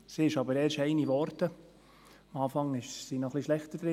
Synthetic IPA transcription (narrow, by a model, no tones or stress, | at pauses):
siɪʃɑbəɾɛːɾʃɛɪniʋɔɾtə | ɑmɑːfɑŋɪʃsinɔχliʃlɛχt̪əd̥̪ɾɪ